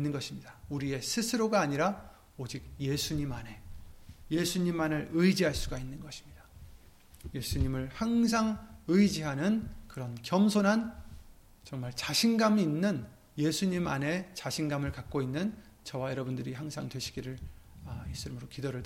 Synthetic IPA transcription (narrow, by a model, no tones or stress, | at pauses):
inːɯnɡʌɕʰimɲidauɾie̞sʰɯsʰɯɾoɡaːɲiɾa | od͡ʑik̚je̞sʰuɲimane̞jesʰuɲimaneɾɯjd͡ʑiɦaɭs͈uɡainːɯnɡʌɕʰi̥mɲid̥ḁ | je̞sʰuɲimɯɭhaŋs̬ʰaŋɯjd͡ʑiɦanɯnkɯɾʌnkjʌmsʰonɦan | t͡ɕʌŋmaɭt͡ɕaɕʰinɡamiinːɯn | je̞sʰuɲima̰ne̞t͡ɕaɕʰinɡamɯɭkak͈̚oinːɯn | t͡ɕʌwajʌɾʌbundɯɾiɦaŋsʰaŋdweɕʰi̥ɡiɾɯɭʌis͈ɯmɯɾokidoɾɯɭda